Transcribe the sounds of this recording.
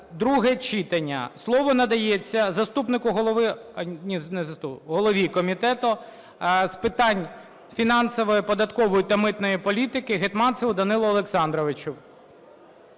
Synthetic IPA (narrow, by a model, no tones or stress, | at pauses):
d̪ɾuɦɛt͡ʃit̪ɐnʲːɐ̰slˠɔʋɔnɐd̪ɐjet͡sʲːɐzɐst̪upnɪkʊɦɔlˠɔʋɪnʲinɛzɐst̪upɦɔlˠɔʋʲikɔmʲit̪ɛt̪ʊ | spɪt̪ɑnʲ | fʲinɑnsɔʋɔjipɔd̪ɐt̪kɔʋɔjit̪ɐmɪt̪nɔjipɔlʲit̪ɪkɪɦɪt̪mɑnsɪwd̪ɐnɪlˠʊːlˠeksɑnd̪ɾɔʋɪt͡ʃʊw